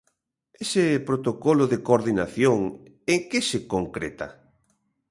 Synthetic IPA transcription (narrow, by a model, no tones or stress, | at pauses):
esɪpɾot̪okolʊðekoɾðinaθjoŋ | eŋkɪsekoŋkɾḛt̪a̰